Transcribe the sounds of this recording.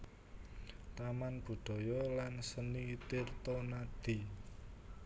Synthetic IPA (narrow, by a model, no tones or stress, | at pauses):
t̪amanb̥ṳɖ̪̥ɔ̤jɔlansənit̪ɪrt̪ɔnad̪̥i̤